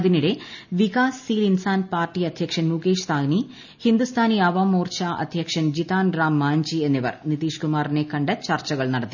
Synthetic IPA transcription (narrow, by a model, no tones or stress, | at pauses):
ðiniɽe̞ʋikaːsːiːlinsaːnpaːrʈːiɐd̪ʱjɐkʂɐnmuɡeːʂt̪ʰaːɡni | hind̪ust̪ʰaːniɐʋaːmoːrt͡ɕaʔɐ̰d̪ʱjɐkʂɐnd͡ʑit̪aːnraːmːaːɲd͡ʑienːiʋɐ̰rnit̪iːʂkumaːrinekːɐɳɖɐt͡ɕɐrt͡ɕɐɣɐɭnɐɽɐt̪ːi